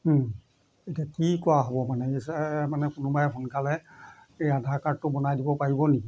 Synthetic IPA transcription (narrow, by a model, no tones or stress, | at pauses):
ejtiakikɔaɦɔbɔmanɛesɛmanɛkʊnʊbaɛpʰunkalɛ | ejadʱakaɹtːʊbɔnajdibɔpaɹibɔniki